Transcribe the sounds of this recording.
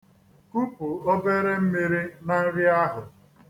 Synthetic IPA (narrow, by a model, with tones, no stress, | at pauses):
ku˦pu˨o˦be˦ɾe˦m̩˦mi˦ɾi˦na˦ɣɪ˦a˦ɦʊ˨